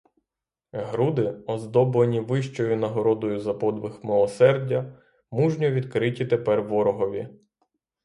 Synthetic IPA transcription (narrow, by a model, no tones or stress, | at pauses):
ɦɾud̪ɪɔzd̪ɔblenʲiʋɪʃt͡ʃɔjʊnɐɦɔɾɔd̪ɔjʊzɐpɔd̪ʋɪxmɪlˠɔsɛrdʲːɐ | muʒnʲɔʋʲid̪kɾɪtʲit̪epɛrʋɔɾɔɦɔʋʲḭ